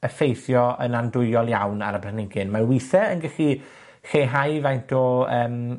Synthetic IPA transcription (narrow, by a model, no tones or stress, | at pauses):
əfejθjɔənandʊɨɔlˠjawna̰ɾəbrənɪŋɡɪnmarwiθɛənɡɛɬi | ɬeɦajvajntʰɔəːm